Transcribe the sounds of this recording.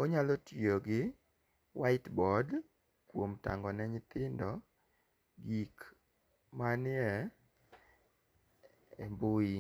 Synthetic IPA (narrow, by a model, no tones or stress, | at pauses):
oɲalɔtjoɡɪ | waɪtbɔd | kwomta̰ŋɡɔnɛɲɪt̪ɪndɔ | ɡik | manɪɛ | ɛmbʊi